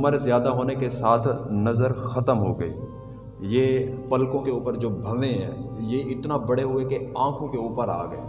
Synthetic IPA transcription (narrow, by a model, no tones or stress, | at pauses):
ʊməɾzjaːd̪aɦoːnekesaːt̪ʰnɐzəɾxɐt̪əmɦoɡɐḭː | jepɐlkõkeuːpəɾd͡ʒoːbʱɐʋẽɦɛ̰̃ːjeɪt̪nabɐɽeɦʊekeãːkʰõkeuːpəɾa̰ːɡɐḛː